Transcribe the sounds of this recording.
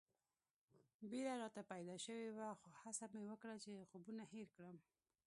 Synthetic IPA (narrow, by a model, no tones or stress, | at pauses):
beɾaɾɑt̪apajd̪ɑʃəwewaxohasamewəkɽat͡ʃexubunaheɾkɽəm